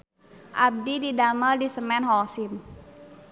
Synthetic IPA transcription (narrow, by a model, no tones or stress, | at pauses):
ʔab̚dididaməldisəmɛnɦɔsim